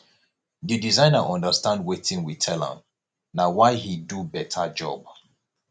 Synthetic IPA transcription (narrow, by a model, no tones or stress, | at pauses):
didizãɪ̃naʔɔ̃ndəstãndwetĩŋwitʰɛlã̰m | nawaɪhidubɛtʰad͡ʒɔ̰b